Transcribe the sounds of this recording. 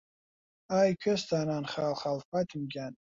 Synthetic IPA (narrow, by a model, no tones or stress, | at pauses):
ajkʲʰɪstʰananχalχalfatʰɨmɡʲan